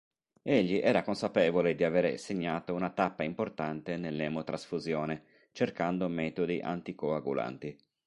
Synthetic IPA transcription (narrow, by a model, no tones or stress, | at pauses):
eʎːiʔɛːɾakonsapɛːvoled̪iaveːɾḛseɲːaːt̪ounat̪apːaimport̪ant̪enelːɛːmot̪ɾʔasfuzjoːne | t͡ʃerkand̪omɛːt̪od̪iʔa̰nt̪ikoaɡṵla̰nt̪i